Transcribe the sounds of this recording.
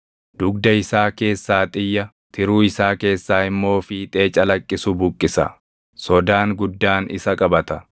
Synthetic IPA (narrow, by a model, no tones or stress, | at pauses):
d̪̥ʊɡd̪ɐɪsaːke̞ːsːaːt̪ʼɪjːɐ | t̪ʰɪɾuːɪsaːke̞ːsːaːɪmːo̞ːfɪt̪ʼe̞ːt͡ʃʼɐlɐkʼːɪsʊbʊkʼːɪsɐ̰ | sɔd̪aːŋɡʊd̪ːaːnɪ̰sɐkʼɐbɐt̪ɐ